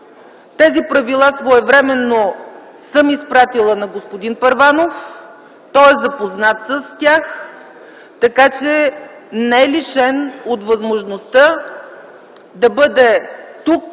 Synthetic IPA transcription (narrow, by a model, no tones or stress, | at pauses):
t̪ɛzipɾɐvilˠasvoɛvɾɛmɛnːo | sɤmispɾat̪ilˠənɐɡospod̪inpɐɾvanof | t̪ɔɛzɐpoznat̪səst̪ʲjax | t̪ɐkat͡ʃɛ | nɛɛliʃɛnot̪vɐzmoʒnost̪ə | d̪ɐbɤd̪ɛt̪uk̚